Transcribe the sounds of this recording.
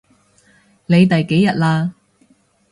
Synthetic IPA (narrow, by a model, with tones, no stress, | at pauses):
ne˨˧jt̪ɐ˨jke˨˥jɐ˨t̚laː˧